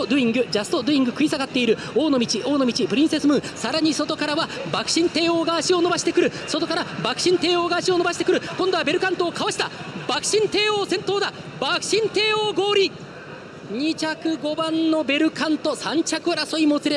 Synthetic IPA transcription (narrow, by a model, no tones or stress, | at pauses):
od̪ɯĩŋɡɯ̟d͡ʑasɨ̥t̪o̞d̪ɯ̟ĩŋɡɯ̟kɯ̟isaɡat̪ːe̞iɾɯ̟ | o̞ːnomʲit͡ɕiʔo̞ːno̞mʲit͡ɕipɯ̟ɾʲĩɰ̃se̞sɨmɯ̟ːsaɾaɲ̟iso̞t̪o̞kaɾaβabakɯ̟̥ɕĩnt̪e̞ːo̞ːɡaːɕio̞no̞baɕi̥t̪e̞kɯ̟ɾɯ̟so̞t̪o̞kaɾabakɯ̥ɕĩnt̪e̞ːo̞ːɡaːɕio̞noaɕi̥t̪e̞kɯ̟ɾɯ̟kõ̞nd̪o̞abe̞ɾɯ̟kãnt̪o̞ːkaβaɕi̥t̪abakɯ̟̥ɕĩnt̪e̞ːoːsẽ̞nt̪o̞ːd̪a | bakɯ̟̥ɕĩnt̪e̞ːoːɡo̞ːɾʲi | ɲ̟it͡ɕakɯ̟ɡo̞bãnːo̞be̞ɾɯ̟kʰãnt̪o̞sãɲ̟t͡ɕakɯ̟aɾaso̞imot͡sɨɾe